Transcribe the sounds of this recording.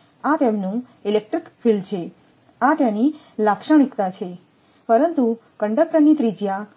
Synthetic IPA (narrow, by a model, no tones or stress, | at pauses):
at̪emnũ | ilek̚ʈɾikfʰilt͡ʃʰe | at̪jani | lakʃəɳ̃ikt̪at͡ʃʰe | pəɾənt̪ukəɳɖəkʈɾənit̪ɾid͡ʒja